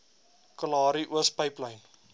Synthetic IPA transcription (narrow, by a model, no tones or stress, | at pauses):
kəlɑːɾiʔuəspəjpləjn